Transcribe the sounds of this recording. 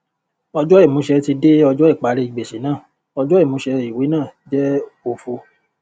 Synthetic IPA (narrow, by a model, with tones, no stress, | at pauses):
ɔ˧d͡ʒɔ˦i˦˨mũ˨˦ʃɛ˧ti˧de˦ɔ˧d͡ʒɔ˦i˦˨k͡pa˨˦ɾe˧i˨ɡ͡be˨ʃi˨˦nãː˦˨ | ɔ˧d͡ʒɔ˦i˦˨mũ˨˦ʃɛ˧i˨wi˨˦nãː˦˨d͡ʒɛ˦o˧fo˧